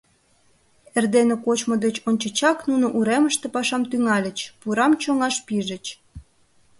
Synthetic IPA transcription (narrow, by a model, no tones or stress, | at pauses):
erd̪enekot͡ɕmod̪et͡ɕonʲt͡ɕə̆t͡ɕɑknunoʔuɾeməʃt̪epɑʃɑmt̪yŋɑlʲə̆t͡ɕpuɾɑmt͡ɕoŋɑʃpiʒə̆t͡ɕ